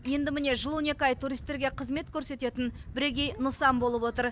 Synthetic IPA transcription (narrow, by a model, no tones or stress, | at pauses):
je̞nd̪ɪmɪne̞ʒəlˠwone̞kɑjt̪ʰuɾijst̪ːe̞ɾɡʲe̞qʰəzme̞t̪kʲʰɵɾse̞t̪e̞t̪ɪnbɪɾe̞ɡʲe̞jnəsɑmbo̞lˠəpwo̞t̪əɾ